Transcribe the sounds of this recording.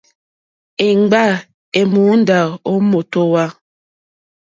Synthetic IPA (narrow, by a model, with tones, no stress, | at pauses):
e˨ŋ͡mɡ͡ba˦˨ | e˨mu˨˦n̩˦da˨o˦mo˨to˦wa˦